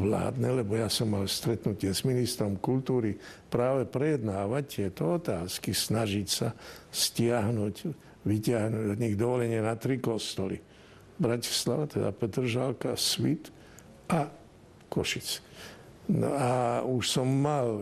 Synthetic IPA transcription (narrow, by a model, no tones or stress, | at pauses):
ʋla̰ːd̪nɛlɛbɔjasɔmːalst̪ɾɛt̪nucɪɛzminist̪ɾɔmkult̪uːɾipɾaːʋɛpɾɛjɛd̪naːʋac̚t̪ɪɛt̪ɔɔt̪aːskisnaʒicsascɪaɦnuɟ | ʋicɪaɦnuɟɔd̪ɲiɣd̪ɔʋɔlɛɲɪɛnat̪ɾikɔst̪ɔlḭ | bɾaci̥sla̰ʋat̪ɛd̪a̰pɛt̪r̩ʒalkasʋit̪ | ʔa | kɔʃit͡s | nɔ̰auʃsɔmːal